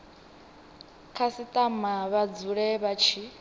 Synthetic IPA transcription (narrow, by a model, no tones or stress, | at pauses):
kʰasit̪ʼamaβad͡zuɺɛβat͡ʃʰi